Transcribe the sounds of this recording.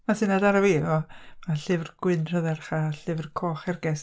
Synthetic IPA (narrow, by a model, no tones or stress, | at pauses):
masɨnadaɾavevɔmaɬɨvrɡ̥wɪnʰɔðɛrχaɬɨvrkʰoːχɛrɡɛs